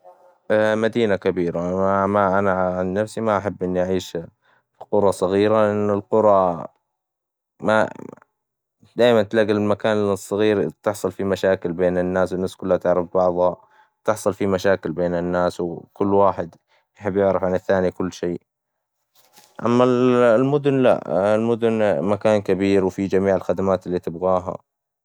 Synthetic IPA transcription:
mad̪iːnakabiːɾaamaʔanaʕʕanːafsimaʔaħabːʔɪnːʔaʕiːʃ | fiqʊɾˤɑsˤɑɣiːɾaʔɪnːʊlqʊɾˤɑ | ma | d̪aːjmant̪laɡɪllmakaːnsˤːɑɣiːɾt̪ɪħsˤʊlfimaʃaːkɪlbeːnɪnːaːswɪnːaːskʊlːhat̪ɪʕɾɪfbɑʕðˤɑ | t̪ɪħsˤɑlfimaʃaːkɪlbeːnɪnːaːswkʊlːwaːħɪd̪ | jħɪbːjɪʕɾɪfʕanɪθːaːnikʊlːʃeː | ʔa̰mːallmʊd̪ʊnla̰ʔlmʊd̪ʊnmakaːnkabiːɾwfid͡ʒamiːʕɪlxad̪amaːt̪ɪlːiːt̪ɪbɣaːɦa̰

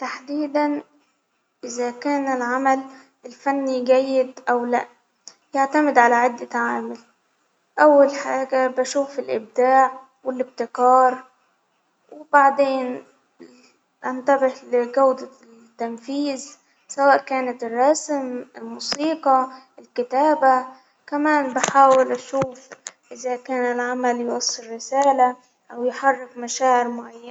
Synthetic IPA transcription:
t̪aħd̪iːd̪an | ʔɪzakaːnɪlʕamal | ɪlfanːiɡajːɪd̪ʔawlaʔ | jaʕt̪amɪd̪ʕalaʕɪd̪ːɪt̪aʕaːmal | ʔawːalħaːɡabaʃuːfɪlʔɪb̚d̪aːʕ | wɪlɪb̚t̪ɪkɑːɾˤ | wɪbaʕd̪eːn | ʔant̪abɪhlɪɡawd̪a | t̪ːamfiːz | sawaːʔkaːnat̪ɪrˤːɑsmɪlmuːsiːqɑʔɪlkɪt̪aːba | kamaːnbɪħaːwɪlʔaʃuːfʔɪzakaːnɪlʕamaljwɑsˤːɨɾːɪsaːla | ʔawjħɑrˤːɪkmaʃaːʕɪɾmʊʕajːa

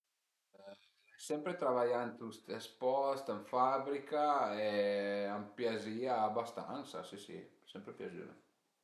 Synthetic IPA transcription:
ɛ | sɛmpɾet̪ɾaβaʎant̪ust̪espɔst̪eɱfaβɾikaɛampjaziaːbast̪a̰nsa̰sisḭ | sɛmpɾepjazy̰ɾḛ

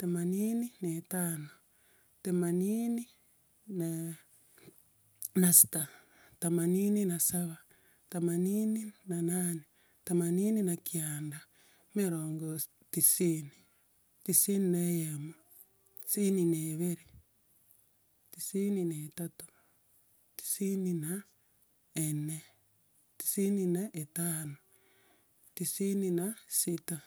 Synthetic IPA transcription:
temaniːninetaːno | temaniːni | na | nasi̥ta | tamaniːninasaβa | tamaniːninanane | tamaniːninakjaːnda | meɾoːŋɡo | tisiːni | tisininejemo | ti̥sinineβeɾi | tisinineːtatu̥ | ti̥sinina | ene | ti̥sininaʔetaːno | tisininasita

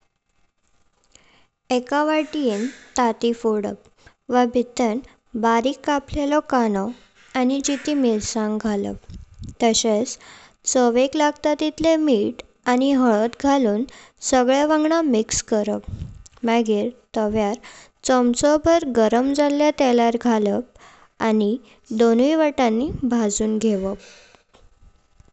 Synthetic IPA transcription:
ekaʋaʈient̪at̪ifoɽə̰k̚ | ʋabʱit̪ən | baɾikːaplelɔkanɔ | anid͡ʑit̪imilsãŋɡʱalə̰k̚t̪əɕet͡s | t͡səʋeklaɡt̪at̪it̪lemiːʈ | añiɦəɭət̪ɡʱaluːn | səɡɭjaʋãŋɡɳamikskəɾəp̚maɡiːɾt̪əʋjaɾ | t͡səmt͡sɔbʱəɾɡəɾəmd͡zalːjat̪ɛlaɾɡʱaləp̚ | ani | d̪oniʋaʈãnːibʱad͡zuːnɡʱeʋəp̚

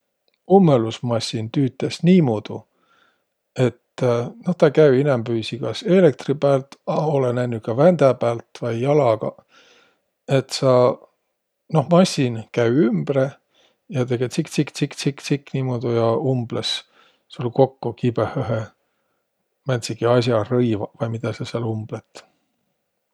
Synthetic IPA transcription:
umːelusmɑsʲint̪yːt̪ːˑesniːmod̪̥u | e̞t̪ːno̞ht̪ɑkæyinembyːsikɑse̞lek̚t̪ripæːlt̪ɑolenæjnːukɑvænd̪̥æpæːlt̪vɑjːɑlɑɡ̥ɑ̰ | e̞t̪sɑ | no̞hmɑsʲinkæɥymb̥re | jɑt̪e̞ɡ̥e̞t̪sikt̪sikt̪sikt̪sikːt̪sikːˑniːmoːd̪̥ujɑumb̥les | sulko̞kːukibehøɦe | mænt̪siɡiɑs̬jɑrɤjvɑvɑjmid̪̥ɑsɑseɑlumb̥let̪ˑ

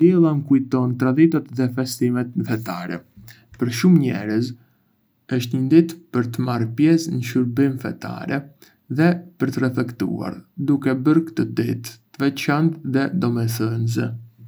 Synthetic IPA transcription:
d̪ɛlˠamkujt̪ɔnt̪ɾad̪it̪at̪ðɛfɛst̪imɛt̪nfɛt̪a̰ɾɛ̰ | pəɾʃumɲɛ̰ɾəz | əʃt̪ɲənd̪it̪pəɾt̪əmaɾpjɛsnəʃuɾbimfɛ̰t̪a̰ɾɛ | ðɛpəɾt̪ərɛfɛkt̪ṵa̰ɾd̪ukɛbəɾkt̪əd̪it̪ːəvɛt͡ʃant̪ðɛd̪ɔmɛθənzɛ

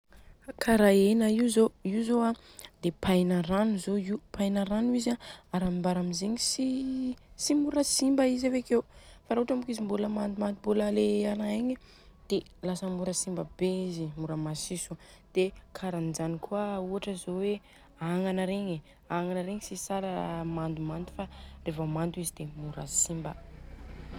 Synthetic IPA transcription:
akʰaɾaenəizoiuzoa | d̪epʰajnaɾanuzoiupajnaɾanuizaaɾamimbaɾamizeɲisi | simuɾəsimbəizavekewfaɾaɦuʈ͡ʂambukizimbuləmanmand̪imbulaleanaeɲe | d̪̥e | lasəmuɾəsimbəbeizimuɾəmasisud̪̥ekʰaɾanid͡ʒanikuauaʈ͡ʂəzowe | aŋanəɾeɲe | aŋanəɾeŋisisaɾəmand̪umand̪u̥farevamand̪uizid̪emuɾa̰simbə̰

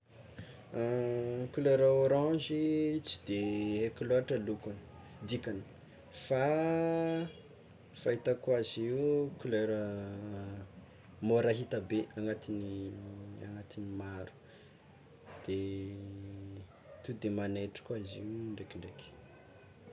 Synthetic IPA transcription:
kuløɾəoɾɑ̃d͡ʒit͡si̥d̪eɦekloaʈ͡ʂəlukani̥ | d̪ikani̥ | fa | fait̪əkwaziukuløɾə | moɾaɦit̪əbeaŋɡat̪ini | a̰ŋɡat̪inimaɾu̥ | d̪̥e | t̪ud̪emanejʈ͡ʂə̥kwaziuɳɖ͡ʐekiɳɖ͡ʐek

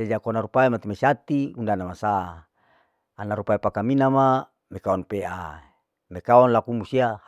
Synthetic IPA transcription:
ed͡ʒakonaɾupaimat̪imasat̪iundanamasa | naɾupaepakaminama | mekaɔnpea | mekaɔnlakumusia

